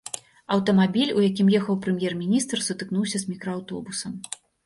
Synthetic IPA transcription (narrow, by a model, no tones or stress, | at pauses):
ɐwt̪ɐmabʲilʲujakʲimjɛxɐwpɾɨmʲjɛrmʲinʲist̪rsut̪ɨknuwsʲɐzmʲikɾɔawt̪ɔbusɐm